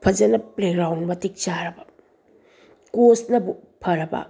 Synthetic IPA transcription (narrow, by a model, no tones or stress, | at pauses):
pʰɐd͡ʒɐnɐpleɡɾawnmɐtik̚t͡ʃaɾɐbɐ | kosnɐbu | pʰɐɾɐbɐ̰